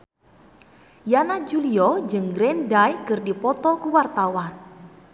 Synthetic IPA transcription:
janad͡ʒuliɔd͡ʒəŋɡɾɛndajkərdipɔt̪ɔkuwart̪awan

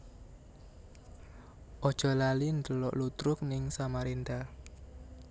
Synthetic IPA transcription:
ʔɔd̥ʒ̥ɔ̤lalind̪əlɔ̰ʔlut̪ɾʊk̚nɪŋsamaɾend̪a

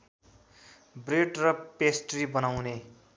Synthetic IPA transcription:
breɖrʌpesʈribʌnawne

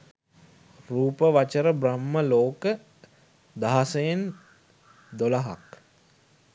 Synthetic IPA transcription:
ruːpəʋat͡ʃəɾəbramːəloːkə | d̪aɦasəjen | d̪olaɦa̰k

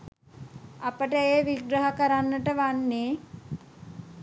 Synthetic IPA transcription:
apəʈəeːʋiɡɾəɦəkəɾanːəʈəʋanːeː

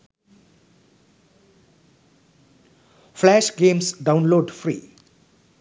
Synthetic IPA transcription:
fʰlæʃɡẽmsɖawnloɖfʰɾḭ

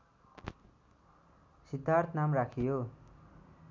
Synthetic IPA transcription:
sid̪ʱart̪namrakʰijo

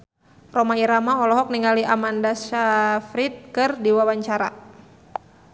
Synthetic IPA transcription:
rɔmaiɾamaɔlɔɦɔk̚niŋaliʔamandasafɾit̪̚kɨrdiwawaɲt͡ʃaɾa̰

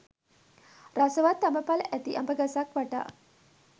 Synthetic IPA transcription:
rasəʋat̪ːaməpalʔæt̪iʔambəɡasakʋaʈa̰ː

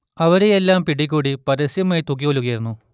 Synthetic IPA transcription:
ɐʋɐɾejelːaːmpiɽik̬ʲːuːɽipɐɾɐsjɐmɐjt̪uk̬ːiʋɐlːuɣɐjiɾunːu

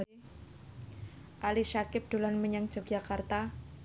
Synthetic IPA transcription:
ʔalisakɪp̚d̥olanməɲaŋ̥d͡ʒɔk̚d͡ʒakart̪a

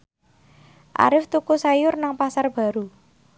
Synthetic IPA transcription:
ʔa̰ɾɪft̪ukusajʊrnaŋpasarb̥a̤ɾu

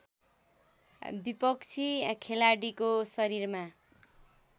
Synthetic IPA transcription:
bipʌkt͡sʰikʰelaɽikosʌɾirma

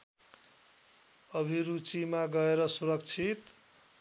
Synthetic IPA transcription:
ʌbʱiɾut͡simaɡʌeɾʌsuɾʌk̚t͡sʰit̪

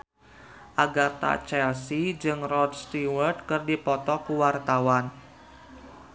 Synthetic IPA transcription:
ʔaɡat̪a̰t͡ʃɛlsid͡ʒɨŋrɔd̚st̪iwərt̪̚kɨrdipɔt̪ɔkuwart̪awan

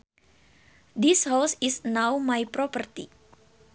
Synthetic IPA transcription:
dishɔlsisnawmajpɾɔpərt̪ḭ

